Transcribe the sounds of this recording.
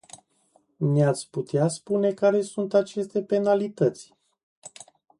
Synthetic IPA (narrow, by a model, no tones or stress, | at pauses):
neat̪sʲput̪easpune̞kaɾe̞sunt̪at͡ʃe̞st̪e̞pe̞nalit̪ət̪sʲ